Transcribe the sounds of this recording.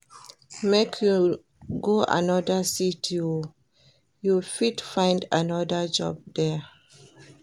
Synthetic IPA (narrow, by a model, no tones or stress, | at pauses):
mekʰju | ɡoʔa̰nɔdəsitʰju | jufidfãɪ̃ndanɔdəd͡ʒɔ̰b̚dɛ